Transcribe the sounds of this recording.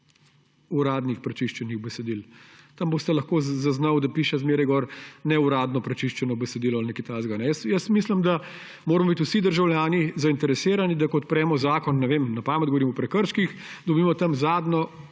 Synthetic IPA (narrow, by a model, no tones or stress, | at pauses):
uɾaːd̪nixpɾɛt͡ʃiʃt͡ʃɛniɣbɛsɛd̪ilt̪ɐmboːst̪ɛlɐxkoːzaznawd̪apiːʃɛzmeːɾɐjɡɔːɾnɛuɾaːd̪nɔpɾɛt͡ʃiʃt͡ʃɛnɔbɛsɛd̪iːlɔalnɛkit̪aːzɡanɛjəsjəst̪mislimd̪a | moːɾɐmɔbit̪usid̪əɾʒawljaːnizaint̪ɛɾɛseːɾanid̪akɔːt̪pɾɛːmɔzaːkɔnːɛʋeːmnɐpaːmɛd̪ɡɔʋoɾiːmɔpɾɛkəɾʃkixd̪ɔbiːmɔt̪ɐmzaːd̪nɔ